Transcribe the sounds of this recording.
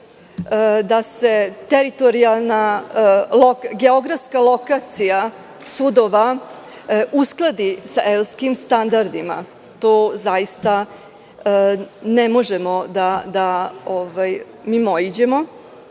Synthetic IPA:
d̪ase̞t̪eɾit̪o̞ɾialˠna | lokɡeo̞ɡɾafskalˠo̞kat̪sija | sud̪oʋa | usklˠad̪isaʔelskimst̪and̪aɾd̪ima̰ | t̪oːzajist̪a | nemo̞ʒemo̞d̪ad̪aovaj | miːmojid͡ʑe̞mo

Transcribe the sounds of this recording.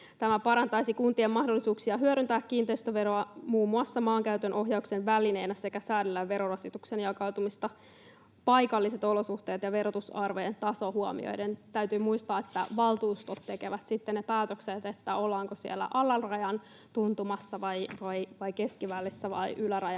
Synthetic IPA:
t̪æmæpɑɾɑnt̪ɑisikunt̪iemːɑhdolːisuːksiɑɦyøɾynt̪æːkkiːnt̪eist̪øʋeɾoɑmuːmːuɑsːɑmɑːŋkæyt̪ønʔo̞ɦjɑuksenʋæline̞ːjnæsekæsæːdylːæʋe̞ɾorɑsit̪uksenjɑkɑut̪umist̪ɑ | pɑjkɑlːise̞t̪o̞losuht̪eːt̪jɑʋe̞ɾot̪usɑrʋojent̪ɑso̞huomḭo̰jdent̪æyt̪yːmuist̪ɑːet̪ːæ̰ʋɑlt̪uːst̪ot̪ːe̞keʋæt̪sit̪ːennepæːt̪økset̪et̪ːæolːɑːŋkosiḛlːæ̰ʔɑlːɑlrɑjɑn | t̪unt̪umɑsːɑʋɑjʋɑjʋɑjkeskiʋælːisːæʋɑ̰iʔylæɾɑjɑ

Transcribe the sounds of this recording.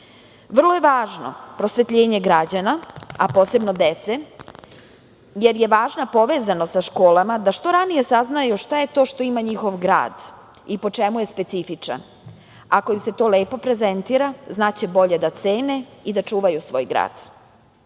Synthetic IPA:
ʋr̩lˠojeʋaːʒno̞̰pɾo̞sʋet̪ʎeːɲe̞ɡɾad͡ʑanaapo̞ːse̞bno̞d̪et̪se | je̞ɾje̞ʋaːʒnapo̞ʋeːzanosaʃko̞ːlˠamad̪aʃt̪o̞ɾanije̞saznajuʃt̪aje̞t̪o̞ːʃt̪o̞imaɲixo̞ʋɡɾa̰ːd̪ | ipo̞t͡ʃe̞muje̞spe̞t̪sifit͡ʂa̰n | ako̞imse̞t̪o̞ːleːpo̞pɾe̞ze̞nt̪iɾaznaːt͡ɕebo̞ʎe̞d̪at̪seːne̞id̪at͡ʃuːʋajusʋo̞̰ːjɡɾa̰ːd̪̥

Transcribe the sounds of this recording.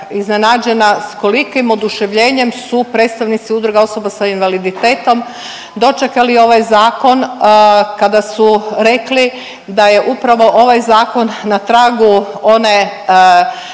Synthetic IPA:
iznenad͡ʒe̞nasko̞likimo̞d̪uʃe̞ʋʎe̞ːɲe̞msupɾe̞ːt̪st̪aʋnit̪siud̪ɾuɡao̞so̞basainʋalid̪it̪eːt̪o̞m | d̪o̞t͡ʃekalio̞ʋajzaːko̞n | kad̪asuɾe̞kli | d̪aje̞ʔupɾaʋo̞ʔo̞ʋajzaːko̞nːat̪ɾaːɡuone̞

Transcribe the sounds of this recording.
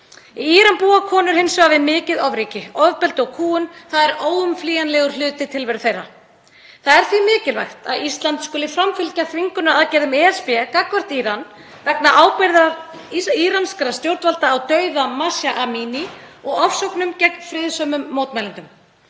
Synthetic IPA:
iiɾanpuːakʰɔːnʏɾ̥hɪnsɔɣavɪðmɪːcɪðɔvɾiːcɪɔvpɛlt̪ʏɔɣkʰuːʏnθaðɛɾoːwʏmfliːjanlɛɣʏɾ̥l̥ʏːt̪ɪt̪ʰɪlvɛɾʏθejɾa | θaðɛɾ̥θvimɪːcɪlva̰jxt̪a̰ðist̪lant̪skʏːlɪfɾamfʏlcaθviŋkʏnʏaðcɛːɾðʏmɛːɛspɛkakvar̥t̪iːɾan | vɛknaʔaːwpɪɾðaɾiɾanskɾast̪jowɾt̪valt̪aːwt̪œɥðamasjaʔamiːniɔɣɔfsɔwknʏmcɛknfɾɪðsœmʏmːoːwt̪mɛlant̪ʏm

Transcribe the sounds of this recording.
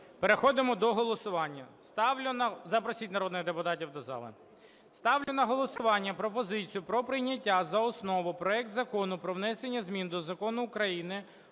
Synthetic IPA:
peɾexɔd̪ɪmɔd̪ɔɦɔlˠɔsʊʋɑnʲːɐst̪ɑʊnɐzɐpɾɔsʲitʲnɐɾɔd̪nɪɣd̪epʊt̪ɑtʲiwt̪d̪ɐzɑ̰lˠɪ̰ | st̪ɑwlʲʊnɐɦɔlˠɔsʊʋɑnʲːɐpɾɔpɔzɪt͡sʲijʊpɾɔpɾɪjnʲɐtʲːazɐɔsnɔʋʊpɾɔɛk̚t̪zɐkɔnʊpɾɔʋnɛsenʲːɐzmʲind̪ɔzɐkɔnʊːkɾɐjinɪ

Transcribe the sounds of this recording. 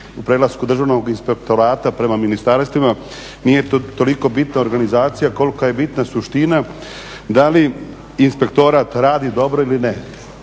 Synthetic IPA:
upɾelˠaskud̪r̩ʒaʋno̞ɡinspek̚t̪o̞ɾaːt̪apɾe̞maminist̪aɾst̪ʋima | nijet̪o̞liko̞bit̪nao̞ɾɡanizaːt̪sijako̞likaje̞bit̪nasuʃt̪ina | d̪aliː | nspe̞kt̪o̞ɾat̪ɾaːd̪id̪o̞bɾo̞iline

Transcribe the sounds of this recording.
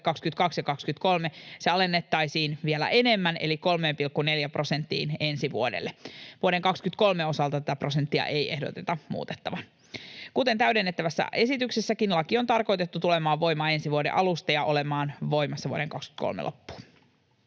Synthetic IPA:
kɑkskyt̪kɑksjɑkɑkskyt̪ko̞lmeseɑle̞nːet̪ːɑjsiːnʋielæ̰ʔe̞ne̞mːæne̞̰liko̞lmeːmpilkːuneljæprʔo̞sent̪ːḭːne̞nsiʋṵodḛlːeʋuoɾe̞ŋkɑkskyt̪ko̞lmeo̞sɑlt̪ɑt̪æt̪æpro̞sent̪ːiɑ̰ʔeje̞hdot̪et̪ɑmṵːt̪e̥t̪ːɑʋɑn | kut̪e̞nt̪æɥdenːet̪ːæʋæsːæ̰ʔe̞sit̪yksesːækinlɑkio̞nt̪ɑrko̞jt̪e̞t̪ːut̪ule̞mɑːʋʋo̞jmɑːe̞nsiʋuodḛʔɑlust̪ɑjɑʔo̞lemɑːnʋo̞jmɑsːɑʋuoɾeŋkɑkskyt̪ko̰lmḛlo̰pːu̥ː

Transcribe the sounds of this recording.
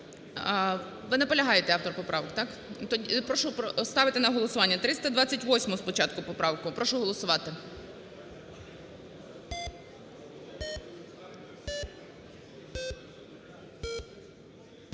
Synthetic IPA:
ʋɪnɛpɔlʲɐɦɑjet̪ɛɑwt̪ɔrpɔpɾʔɑʋɔkt̪ɑk | t̪ɔipɾɔʃʊpɔst̪ɑʋɪt̪ɪnɐɦɔlˠɔsʊʋɑnʲːɐt̪ɾɪst̪ɐd̪ʋɑt͡sʲːɐtʲʋɔsʲmɔɦɔspɔt͡ʃɑt̪kʊpɔpɾɑʋkʊpɾɔʃʊɦɔlˠɔsʊʋɑt̪ɪ

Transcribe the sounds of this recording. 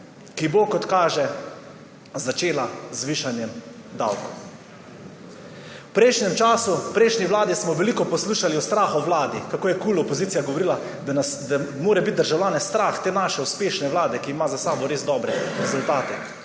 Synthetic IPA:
kibokɔt̪kaːʒɛ | zat͡ʃeːlazʋiːʃanjɛm | d̪a̰wkɔ | wpɾɛjʃnʲɛmt͡ʃaːsupɾɛjʃniwlaːd̪ismɔʋɛlikɔpɔsluːʃaliɔst̪ɾaːxɔwlaːd̪ikakoːjɛkuːlɔpɔziːt̪sijaɡɔʋɔɾiːla | asd̪amoːɾɛbit̪̚d̪əɾʒawlʲaːnɛst̪ɾaːxt̪eːnaːʃɛuspeːʃnɛwlaːd̪ɛkiːmazasaːbɔɾeːzd̪ɔːbɾɛɾɛzult̪aːt̪ɛ

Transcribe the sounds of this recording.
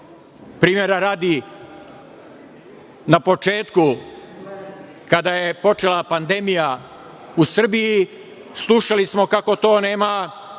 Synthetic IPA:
pɾiːmje̞ɾaɾaːd̪i | napo̞t͡ʃe̞ːt̪ku | kad̪ajepo̞t͡ʃelˠapand̪e̞mija | usr̩biji | slˠuʃalismo̞kako̞t̪o̞ːne̞ːma

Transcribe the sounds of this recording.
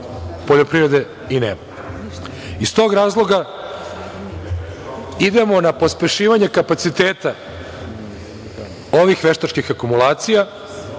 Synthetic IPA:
poʎopɾiɾe̞d̪e̞ | inḛːma | ist̪o̞ːɡɾaːzlˠo̞ɡa | id̪e̞mo̞napo̞spe̞ʃiːʋaɲe̞kapat̪sit̪eːt̪a | o̞ʋixʋe̞ʃt̪at͡ʃkixakumulaːt̪sija

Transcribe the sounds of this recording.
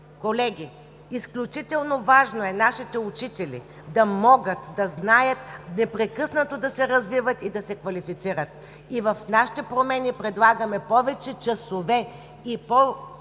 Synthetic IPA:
kolɛɡʲi | isklʲut͡ʃit̪ɛlˠnovaʒnoɛnaʃit̪ɛut͡ʃit̪ɛlḭ | d̪ɐmɔɡət̪d̪ɐznajət̪nɛpɾɛkɤsnət̪od̪ɐsɛɾɐzvivət̪id̪ɐsɛkvɐlifit̪siɾət̪ | ivɐfnaʃi̥t̪ɛpɾomɛnipɾɛd̪lˠaɡɐmɛpɔvɛt͡ʃɛt͡ʃɐsovɛ | ipɔ

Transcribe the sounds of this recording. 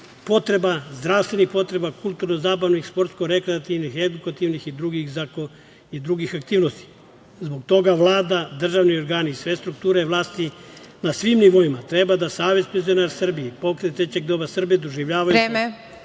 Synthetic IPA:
po̞t̪ɾe̞bazd̪ɾaʋst̪ʋe̞nixpo̞t̪ɾe̞bakulˠt̪uɾnozaːbaʋnixspo̞ɾt̪sko̞ɾe̞kɾeat̪iʋnixe̞d̪ukat̪iʋnixid̪ɾuɡixzako | id̪ɾuɡixak̚t̪iːʋnost̪i̥ | zbo̞ɡ̚t̪o̞ɡaʋlˠaːd̪ad̪r̩ʒaʋnio̞ɾɡaːniːsʋe̞st̪ɾuk̚t̪uːɾeʋlˠaːst̪inasʋimniʋo̞imat̪ɾe̞bad̪asaːʋe̞zpenzionaːɾsr̩biepo̞kɾet̪t̪ɾe̞t͡ɕe̞ɡ̚d̪oːbasr̩bijed̪o̞ʒiʋʎaːʋajuee

